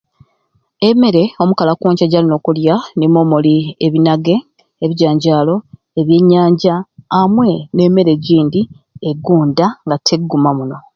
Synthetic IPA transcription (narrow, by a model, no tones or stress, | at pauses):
e̞me̞ɾe̞o̞mukalakoːɲcaɟaːlino̞ːkuljanimomulieβinaɡe̞ | eβiɟaːɲɟaːlo̞ | e̞βje̞ɲːaːɲɟaːmwe̞ne̞ːme̞ɾe̞ɟiːndi | e̞ɡuːndaŋɡatʰe̞ɡːumamuno̞